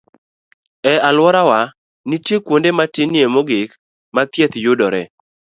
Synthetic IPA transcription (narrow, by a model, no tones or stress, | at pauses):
ɛalwɔɾawa | nitjekwondematɪniemoɡɪk | mat̪jet̪jʊdɔɾɛ